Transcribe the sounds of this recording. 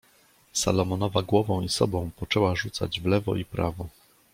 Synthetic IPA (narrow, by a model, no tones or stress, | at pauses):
sa̰lɔmɔnɔvaɡwɔvɔ̃w̃isɔ̰bɔ̃w̃pɔt͡ʂɛwaʐut̪sa̰d͡ʑvlɛvɔ̰ʔipɾa̰vɔ